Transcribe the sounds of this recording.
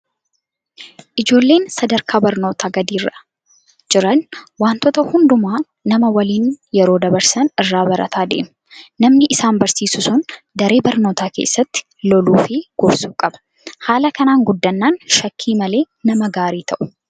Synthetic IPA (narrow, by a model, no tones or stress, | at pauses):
ʔɪd͡ʒo̞ːlːe̞ːnsɐd̪ɐɾkʰaːbɐɾno̞ːt̪aːɡɐd̪iːrːɐ | d͡ʒɪɾɐnwaːnt̪ɔt̪ɐhʊnd̪ʊmaː | nɐmɐwɐliːnjɛɾo̞ːd̪ɐbɐɾsɐnɪrːaːbɐɾɐ̰t̪ʰaːd̪ḛːm | nɐmnɪʔɪsaːmbɐɾsiːsʊsʊn | d̪ɐɾe̞ːbɐɾno̞ːt̪aːke̞̰ːsːɐt̪ːɪ̥ | lɔluːfɪɡ̥ʊbsuːkʼɐbɐ̥ | haːlɐkɐnaːŋɡʊd̪ːɐnːaːnʃɐkʰːiːmɐle̞ː | nɐmɐɡaːɾiːt̪ʰɐʔʊ̥